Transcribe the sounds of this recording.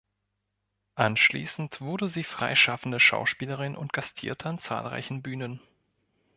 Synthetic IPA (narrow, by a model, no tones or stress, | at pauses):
ʔanʃlḭːsn̩tv̥ʊɐdəziːfʁ̥a̰ɪʃafn̩dəʃa̰ʊʃpiːləʁɪnʔʊ̰ntɡ̥astʰḭːɐtʰəant͡sa̰ːlʁa̰ɪçn̩byːnən